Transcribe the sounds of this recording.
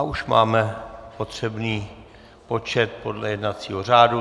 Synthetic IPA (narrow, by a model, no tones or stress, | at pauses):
aʔuʃma̰ːmɛpo̞t̪r̝̥ɛbniː | po̞t͡ʃɛt̪̚po̞dlɛjɛdnat͡siːɦo̞r̝aːdu